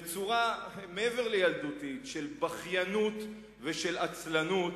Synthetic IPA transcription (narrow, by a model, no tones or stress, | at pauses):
t͡suʁameeveʁlejald̪ut̪itʃelbaχjanut̪ | veʃe̞lat͡slanut